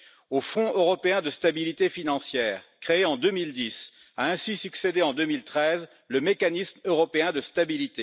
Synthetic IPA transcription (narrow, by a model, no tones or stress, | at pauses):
ofɔ̃ʔøʁɔpeɛ̃d̪əst̪abilit̪efinɑ̃sjɛːʁkχeːɑ̃d̪ømild̪is | aɛ̃sisyksed̪eɑ̃d̪ømilt̪χɛz | ləmekanismøʁɔpeɛ̃d̪əst̪abilit̪e